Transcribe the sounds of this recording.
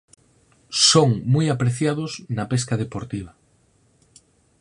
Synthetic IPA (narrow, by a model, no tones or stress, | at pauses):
soŋmujapɾeθjaðʊsnapeskaðepoɾt̪iβ̞ɐ